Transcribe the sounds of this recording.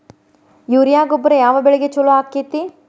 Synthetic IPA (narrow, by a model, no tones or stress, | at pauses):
juːɾijaːɡobːɐɾejaːʋɐbeɭeɡet͡ʃoloaːkit̪ːi